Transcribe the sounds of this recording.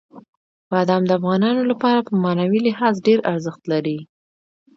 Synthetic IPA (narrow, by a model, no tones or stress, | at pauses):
b̥ɑd̪ɑmd̪əafɣɑnɑnolapɑɾapəmɑnawilɪhɑzɖeɾaɾzəxt̪laɾi